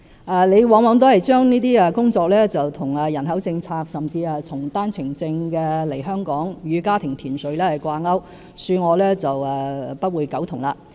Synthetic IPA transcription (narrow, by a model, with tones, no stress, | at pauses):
ʔaː˨le˨˧jwɔː˨˧ŋwɔː˨˧ŋt̪ɔː˨˥hɐ˨jt͡ʃœː˥ŋniː˥t̪iː˥aː˨˧kʊ˥ŋt͡sɔː˧k̚lɛː˥t͡sɐ˨wt̪ʰʊ˨˩ŋaː˨jɐ˨˩nɦɐ˨˥wt͡sɪ˧ŋt͡sʰaː˧k̚sɐ˨˩mt͡siː˧aː˨˧t͡sʰʊ˨˩ŋt̪aː˥nt͡sʰɪ˨˩ŋt͡sɪ˧ŋkɛː˧le˨˩jɦœː˥ŋkɔː˨˥ŋjyː˨˧kaː˥t̪ʰɪ˨˩ŋt̪ʰiː˨˩nsɵ˨ɥlɛː˥hɐ˨˩jkʷaː˧ŋɐ˥w | syː˧ŋɔː˨˧lɛː˥t͡sɐ˨wa˨pɐ˥t̚wuː˨˧jkɐ˨˥wt̪ʰʊ˨˩ŋlaː˧